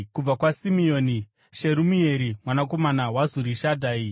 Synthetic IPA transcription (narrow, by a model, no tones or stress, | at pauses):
kub͡vakwasimio̞ːni | ʃe̞ɾumie̞ɾimwanako̞manawazuɾiʃadʱaːi